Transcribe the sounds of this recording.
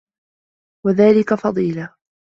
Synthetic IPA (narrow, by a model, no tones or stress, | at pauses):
waðaːlɪkafɑðˤiːla